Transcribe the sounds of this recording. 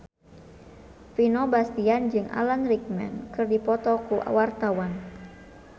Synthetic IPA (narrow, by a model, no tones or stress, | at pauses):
finɔbast̪iand͡ʒɨŋʔa̰lanrik̚mɛ̰nkɨrdipɔt̪ɔkuʔa̰wart̪awan